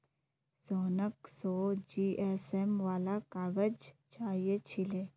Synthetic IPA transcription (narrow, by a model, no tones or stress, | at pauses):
soːnəksoːd͡ʒiːʔɛːsɛmʋaːlakaːɡəd͡ʒt͡ʃaːɦiet͡ʃʰɪleː